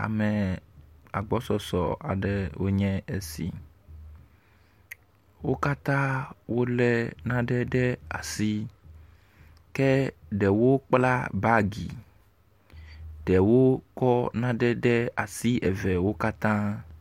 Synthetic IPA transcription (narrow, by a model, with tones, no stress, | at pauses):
a̰˨mɛ˨ | a˨ɡ͡bɔ˦sɔ˨sɔ̰˨a̰˨ɖɛ˨wo˦ɲɛ̃˦e˨sḭ˨ | wo˦ka˦t̪ã˦wo˦lɛ˦nã˦ɖɛ˦ɖɛ˦a̰˨si˦ | kɛ˦ɖɛ˨wo˦k͡pla˦ba˦ɡi˨ | ɖɛ˨wo˦kɔ˦nã˦ɖɛ˦ɖɛ˦a˨si˦ʔɛ˨vɛ˨wo˦ka˦t̪ã˦